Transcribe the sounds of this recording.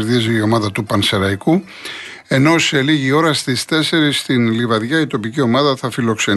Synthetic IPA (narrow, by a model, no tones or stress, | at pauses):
ɾðiziːo̞mɐðɐt̪upɐnse̞ɾɐiku | e̞no̞se̞liʝio̞ɾɐst̪ist̪e̞se̞ɾist̪inlivɐðʝɐit̪o̞picio̞mɐðɐθɐfilo̞kse̞